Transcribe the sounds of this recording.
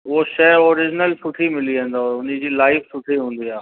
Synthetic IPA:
ʊoʃɛːoːɾɪd͡ʑnəlsʊʈʰimɪliẽnd̪aʊn̤ĩd͡ʑiːlaːɪfsʊʈʰiɦũːnd̪iaː

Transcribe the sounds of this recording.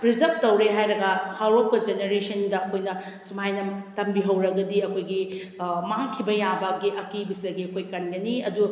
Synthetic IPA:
pɾid͡ʒɐp̚tɐwɾeɦajɾɐɡɐhalop̚kɐd͡ʒeneɾesɐndɐɐkʰojnɐ | sumajnɐmtɐmbiɦɐwɾɐɡɐdiɐkʰojɡi | maŋkʰibɐjabɐɡiʔɐkibisɐɡiɐkʰojkɐnɡɐniɐdu

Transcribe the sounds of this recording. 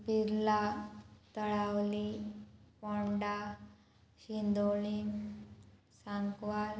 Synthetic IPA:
biɾlat̪əɭawlipɔɳɖa | ɕind̪oɭim | saŋkʋal

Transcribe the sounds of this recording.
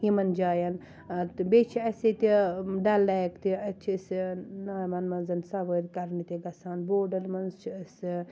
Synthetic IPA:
jimɐnd͡ʒaːjɐn | ɐt̪bet͡ʃʰiɐset̪iɖɐlːakt̪iɐt͡ʃʰisnaːjmɐnmɐnzɐnsɐbəd̪kɐɾnit̪eɡɐsaːnboːɖɐɾmɐnzt͡ʃʰiɐs

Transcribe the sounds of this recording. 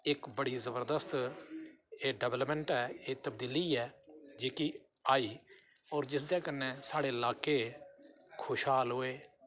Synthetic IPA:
ɪkbəɽiːzəbəɾd̪əst̪ | eːɖəblpɛ̃ɳʈɛːeːt̪əb̚d̪iːliːɛːd͡ʒeːkiː | aːiː | ɔːɾd͡ʒɪsd̪eːkəneːsaːɽeːɪlaːkeː | kʰoːʃɦaːlɦoːeː

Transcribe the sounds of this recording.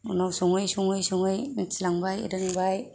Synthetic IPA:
ṵnawsɔŋɯjsɔŋɯjsɔŋɯjsʰilaŋbajḭɾɯnibaj

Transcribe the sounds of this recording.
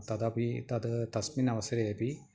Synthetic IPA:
t̪ɐd̪apit̪ɐd̪t̪ɐsminɐʋɐsɐɾeepi

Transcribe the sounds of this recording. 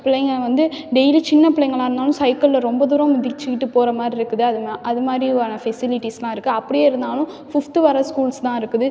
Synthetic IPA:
pɪɭɐŋɡɐʋɐnd̪ɯɖɛɪlit͡ʃɪnːɐpɪɭɐŋɡɐɭaːɪɾɯnd̪aːlʊ̃sɐɪkːɐllɐɾɔmbɐd̪uːɾɐ̃mʊðɪt͡ʃːɯkːɪʈːɯpoːɾɐmaːd̪ɾiɾɯkːɯðɯɐðɯɐðɯmaːd̪ɾiaːnɐfɛsɪlɪʈːislãːɪɾɯkːɯɐpːɐɽɪjeːɪɾɯnd̪aːlʊ̃ | fɪft̪ʋɐɾɐskuːlst̪ãːɪɾɯkːɯðɯ

